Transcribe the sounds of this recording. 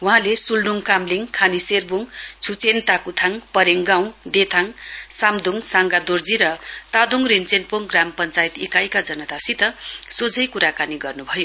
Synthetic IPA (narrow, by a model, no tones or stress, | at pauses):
wuɦãlesulɖuŋkamliŋkʰaniserbuŋt͡sʰut͡sent̪akut̪ʰaŋpʌɾeŋɡaw̃d̪et̪ʰaŋsamd̪uŋsaŋɡad̪ord͡ziɾʌt̪ad̪uŋrint͡senpoŋɡrampʌnt͡sajt̪ekajkad͡zʌnʌt̪asit̪ʌsod͡zʱʌjkuɾakaniɡʌrnubʱʌjo